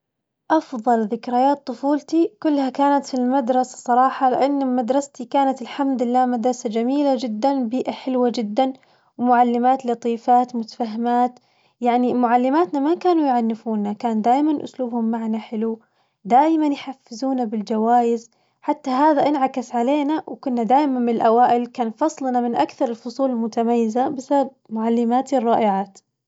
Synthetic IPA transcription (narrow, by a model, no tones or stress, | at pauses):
ʔɑfðˤɑlðɪkɾajaːt̪ˤːʊfuːlt̪ikʊlːhakaːnat̪filmad̪ɾˤɑsḁsˤɑɾˤɑːħɑlɪʔanːmad̪ɾˤɑst̪ikaːnat̪ɪlħamd̪ɪlːaːmad̪ɾˤɑsad͡ʒamiːlad͡ʒɪd̪ːanbiːʔaħɪlwad͡ʒɪd̪ːan | wmʊʕalːɪmaːt̪lɑt̪ˤiːfaːt̪mʊt̪ḁfaɦɪmaːt̪ | jaʕnimʊʕalːɪmaːt̪namakaːnujʕanːɪfuːnːakaːnd̪aːjmanʔʊ̰sluːbhʊmːaʕnaħɪlu | d̪aːjɪmanjħafːɪzuːnabɪld͡ʒawaːjɪz | ħat̪ːaɦaːðaʔɪnʕakasʕaleːnawkʊnːad̪aːjmanmɪnɪlʔawaːʔɪlkaːnfɑsˤlnamɪnʔakθɑɾˤɪlfʊsˤuːlmʊt̪amajːɪzabɪsab̚mʊʕalːɪmaːt̪irˤːɑːʔɪʕaːt̪